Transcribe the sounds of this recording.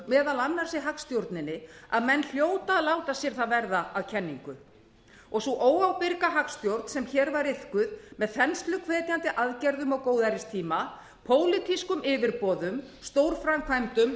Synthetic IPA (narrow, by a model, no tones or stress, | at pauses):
mɛːðalanːaɾ̥sɪɦakst̪jowɾt̪nɪnːɪaðmɛnːl̥joːwt̪aðlaːwt̪asjɛɾ̥θaðvɛɾðaaðcʰɛnːiŋkʏ | ɔɣsɔʔoːwawpɪɾkaɦakst̪jowɾt̪n̥sɛmçɛːɾvaɾɪhkʏðmɛðθɛnst̪lʏkʰvɛːt̪jant̪ɪʔaðcɛɾðʏmɔɣkoːwðaɾɪst̪ʰiːma | pʰoːwlɪkʰiskʏmʔɪːvɪɾpɔːðʏmst̪owɾ̥fɾamkʰvajmt̪ʏm